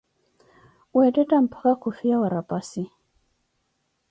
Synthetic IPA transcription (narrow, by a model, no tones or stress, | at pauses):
wɛtɛtam̩pʰḁkakufiawaɾapasi